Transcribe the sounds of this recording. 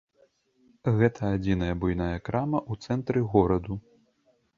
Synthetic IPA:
ɣɛt̪ʰɐad͡zʲinɐjɐbujnajɐkɾamɐʔut̪sɛnt̪ɾɨɣɔɾɐd̪u

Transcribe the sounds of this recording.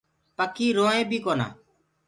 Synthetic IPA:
pəkʰiːɾoːẽːbʱiːkoːna̰ː

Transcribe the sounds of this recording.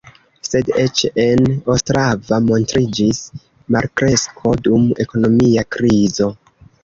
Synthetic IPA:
se̞det͡ʃe̞nostɾavamo̞ntɾid͡ʒis | maɾkɾe̞skʰo̞dume̞ko̞no̞miakɾizo̞

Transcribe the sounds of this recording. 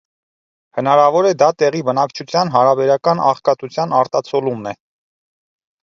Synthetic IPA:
hənɑɾɑvɔɾɛd̪ɑt̪ɛʁibənɑkt͡ʃʰut͡sʰjɑnɦɑɾɑbɛɾɑkɑnɑ̰χkɑt̪ut͡sʰjɑnɑɾt̪ɑt͡sʰɔlumnɛ

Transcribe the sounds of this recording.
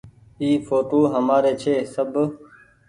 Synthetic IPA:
iːfoːʈoːɦəmaːɾeːt͡ʃʰeːsəb

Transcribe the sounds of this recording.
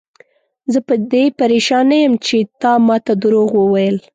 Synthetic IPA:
zəpəd̪epaɾeʃɑnajəmt͡ʃet̪ɑmɑt̪ad̪əɾoɣwəwajəl

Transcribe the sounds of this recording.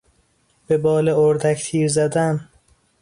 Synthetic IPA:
b̥e̞bɒːleoɾd̪ækt̪ʰiːɾzæd̪æn

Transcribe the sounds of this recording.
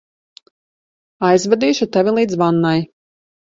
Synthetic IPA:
ajzvad̪iːʃut̪ɛvʲilˠiːd̪zvanːaj

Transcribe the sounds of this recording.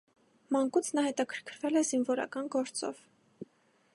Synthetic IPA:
mɑŋkut͡sʰnɑhɛt̪ɑkʰəɾkʰɾvɛlɛzinvɔɾɑ̰kɑnɡɔɾt͡sɔ̰v̥

